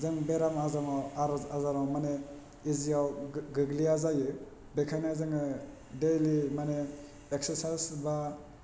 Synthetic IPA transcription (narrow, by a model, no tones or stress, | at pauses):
zɯŋbeɾamazamaaɾazaɾawmane | iziawɡɯɡliazajɯ | bekʰanazɯŋɯ | delimane | ekseɾsajsba